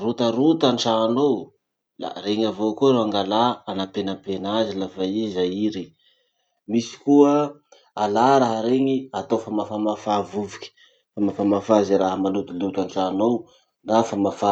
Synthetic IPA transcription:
rut̪aɾut̪anʈ͡ʂanow | la̰reŋavokuɾoaŋɡalaanapenəpenazilafaizajiɾe | misi̥kuə | alaɾaɦəɾeŋiat̪ofamafamafavuvikʲi̥ | famafamafaziɾaɦəmalut̪ilut̪aɳʈ͡ʂanow | d̪afamafa

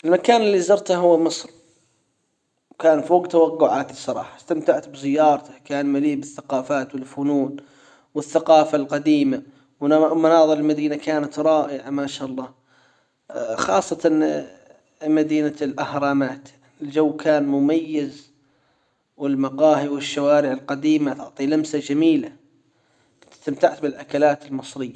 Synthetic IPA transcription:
ʔɪlmakaːnɪlːizɑɾˤt̪aɦʊwːmɨsˤɾ | wkaːnfoːɡt̪awaqːʊʕaːt̪sˤːɑɾˤɑ̰ːħḁst̪amt̪aʕt̪bzɪjːɑːɾˤt̪ḁkaːnmaliːbɪθːaqɑːfaːt̪wɪlfʊnuːn | wɪθːaqɑːfalqɑd̪iːma | wmʊnɑːðˤɨɾɪlmad̪iːnakaːnat̪ɾˤɑːʔɪʕamaːʃaːʔɑlˤːɑː | xɑːsˤːɑt̪ɑ | mad̪iːnalʔahɾˤɑːmaːt̪ | ɪld͡ʒawːkʰaːnmʊmajːɪz | wɪlmɑqɑːhiwɪʃːawaːɾɪʕɪlqɑd̪iːmat̪ʊʕt̪ˤiːlamsad͡ʒamiːla | t̪t̪amt̪aʕt̪bɪlʔakalaːt̪ɪlmɨsˤɾɪjːa

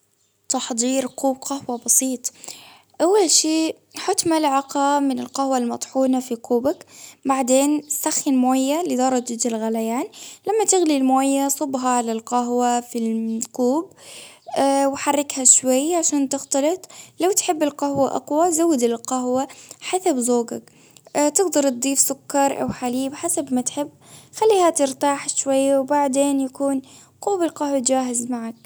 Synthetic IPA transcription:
t̪ɑħd̪ˤiːɾquːb̚qɑhwabɑsˤiːt̪ˤ | ʔawːalʃiː | ħʊt̪malʕɑqɑmɪnɪlqahwalmɑt̪ˤħuːnafiquːbakbaʕd̪eːnsaxɪnmoːjːalɪd̪ɑɾˤɑd͡ʒat̪ɪlɣalajaːnlamːat̪ɪɣlilmoːjːasˤʊbɦɑʕalalqaɦwafilquːb̚ | wħarˤːɪkhaʃwajːʕaʃaːnt̪ɪxt̪ɑlɪt̪ˤlawt̪ħɪbːɪlqahwaʔɑ̰qwazawːɪd̪ɪlqaɦwaħasabzoːɡak | t̪ɪɡd̪ɑɾˤt̪̚d̪ˤiːfsʊkːɑɾˤʔa̰wħaliːbħasabmat̪ħɪbːxalːiːhat̪ɪɾt̪aːħʃwajːawbaʕd̪eːnjakuːn | quːbɪlqahwat̪d͡ʒaːɦɪzmaʕak̚

